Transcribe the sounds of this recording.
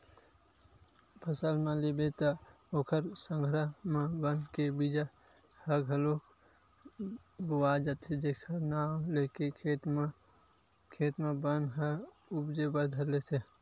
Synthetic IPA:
pʰəsəlmãlebet̪ə | okʰəɾsə̃ŋɡʱɾəɦmãbənkebid͡ʒa | həɡʱəlo | buwad͡ʒət̪ʰed͡ʒekʰənaːmlekekʰet̪m | kʰeːt̪mẽbənɦə | ubd͡ʒebəɾd̪ʱəɾlet̪ʰe

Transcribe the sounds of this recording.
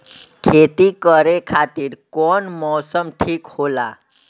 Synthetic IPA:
kʰet̪iːkəɾekʰat̪iːɾkɔɳmɔsəmʈʰiːkhola̰

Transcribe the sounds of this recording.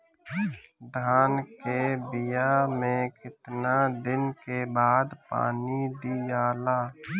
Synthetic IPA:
d̪ʱaːnkebɪjamẽkɪt̪nad̪ɪnkebaːd̪pa̰ːnid̪ijaːlaː

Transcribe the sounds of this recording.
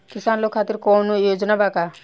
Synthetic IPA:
kisaːnlokʰːat̪iɾkɔnujod͡ʒnabaka

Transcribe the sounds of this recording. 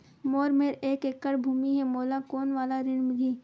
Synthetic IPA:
moːɾmeːɾeːkekːəɽbʱuːmiɦɛmoːlakoːnʋaːlaɾɪnmɪd̪ʱiː

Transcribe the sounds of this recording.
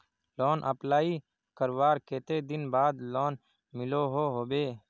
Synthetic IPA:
loːnʔəplaːi | kəɾwaːɾkeːt̪eːd̪ɪnbaːd̪loːn | mɪloːɦoːɦoːbeː

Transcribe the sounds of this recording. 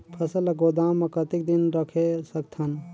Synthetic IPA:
pʰɐsəlɐɡod̪aːmːɐkət̪ik̚d̪inɾəkʰesəkt̪ʰɐn

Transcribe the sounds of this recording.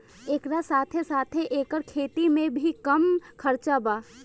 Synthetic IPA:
eːkɾasaːt̪ʰesaːt̪ʰeʔeːkəɾkʰeːt̪imẽbʱikɐmkʰɐɾt͡ʃabaː

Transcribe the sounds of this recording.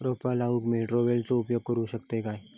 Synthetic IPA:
ɾopalaukmeʈɾoʋelt͡soʊpjoɡ̚kəɾuɕək̚t̪ekaːe

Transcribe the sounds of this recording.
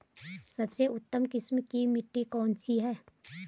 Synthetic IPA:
sɐbseʊt̪ːəmkɪsmkimɪʈːikɔːnsiɦɛː

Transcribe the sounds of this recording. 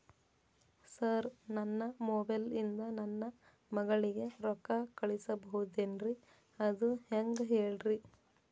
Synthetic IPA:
sɐɾnɐnːɐmoːbɐjlind̪ɐnɐnːɐ | mɐɡɐɭiɡe̞ɾɔkɐkɐɭisɐbɐɦud̪enɾi | ɐd̪uheŋɡɦeːɭɾi

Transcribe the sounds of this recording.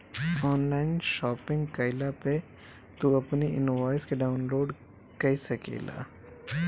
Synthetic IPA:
ɔːnlaːɪnʃɔːpɪ̃ŋɡkaɪlape | t̪uɐpniɪ̰nʋaːɪskeɖaːʊnloːɖ | kɐisɐkḛːla̰ː

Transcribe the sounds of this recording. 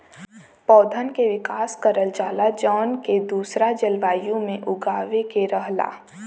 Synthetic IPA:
pɔːd̪ʱənkeʋɪkaːskəɾəld͡ʒaːlad͡ʒɔːnked̪uːsɾad͡ʒəlʋaːjõmẽʔʊɡaːʋekeɾəɦla̰ː

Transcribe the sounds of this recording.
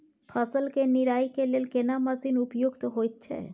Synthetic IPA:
pʰəsəlkeniɾaːikeleːlkenaməsinupjuɡt̪ɔɦojt̪̚t͡ʃʰɛ̰

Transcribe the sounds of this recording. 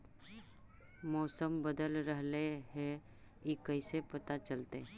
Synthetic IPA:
mɔːsəmbəd̪əlɾəɦleɦɛ̃ | ikəɪsepɐt̪at͡ʃəlt̪e

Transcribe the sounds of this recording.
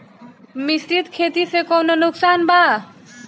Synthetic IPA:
misɾit̪kʰet̪isekʌwnʌnuksanba

